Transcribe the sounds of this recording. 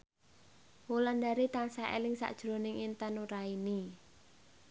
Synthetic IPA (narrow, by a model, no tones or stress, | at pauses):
wuland̪aɾit̪ansaɛ̰lɪŋsa̰ʔd̥ʒ̥ɾo̤nɪŋint̪anuɾaini